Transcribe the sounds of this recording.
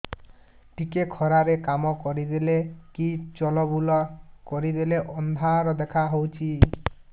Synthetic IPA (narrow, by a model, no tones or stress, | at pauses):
ʈikekʰɔɾaɾekamɔkɔɾid̪ilekit͡ʃɔlɔbulɔkɔɾid̪ileʔɔnd̪ʱaɾɔd̪ekʰaɦowt͡ʃʰi